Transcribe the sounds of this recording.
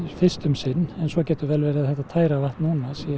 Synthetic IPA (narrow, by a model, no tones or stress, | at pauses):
fɪr̥st̪ʏmsɪnːɛnsɔcɛːt̪ʏɾvɛːlvɛːɾɪðaðθɛht̪at̪ʰaːjɾavaht̪nuːnasi